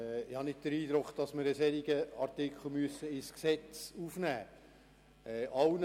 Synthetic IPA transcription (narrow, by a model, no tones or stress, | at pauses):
ɪhɑnɪt̚d̥̪əɾiːd̥̪ɾʊkχd̥ɑsmɪɾəsɛɾiɡəɑrt̪ɪkʰl̩ˠmyəsəɪsksɛt͡sufnæː | ɛːʔɑwn